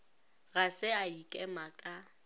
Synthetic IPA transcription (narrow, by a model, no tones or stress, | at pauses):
ɣasɪaikʼɛmakʼa